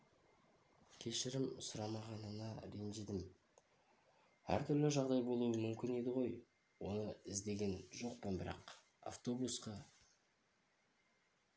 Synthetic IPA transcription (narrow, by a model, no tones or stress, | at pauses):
kʲʰe̞ʃɪɾɪmsʊɾɑmɑʁɑnənɑɾe̞nʒed̪ɪm | æ̰ɾt̪ʰʏɾlɪʒɑʁd̪ɑjbo̞lˠuwəmʏmkʲɪne̞d̪ɪʁo̞j | wo̞nəɪzd̪e̞ɡʲe̞nʒo̞qpənbɪɾɑ̰q | a̰ft̪o̞busqɑ